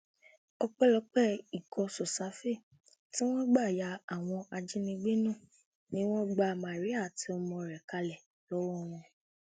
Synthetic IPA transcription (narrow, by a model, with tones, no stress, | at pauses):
ɔ˧k͡pɛ˦lɔ˨˦k͡pɛ˦i˨kɔ˧sɔ˨sa˨˦fe˦˨ | ti˦w̃ɔ̃˦ɡ͡ba˦˨ja˧a˦˨w̃ɔ̃˧ʔa˧d͡ʒi˦nĩ˧ɡ͡be˦nũ˦˨ | nĩ˦w̃ɔ̃˦ɡ͡ba˧mã˨ɾi˨˦a˦˨ti˧ɔ˧mɔ̃˧˨ɾɛ˨ka˧lɛ˨ | lɔ˦wɔ˦˨˦w̃ɔ̃˧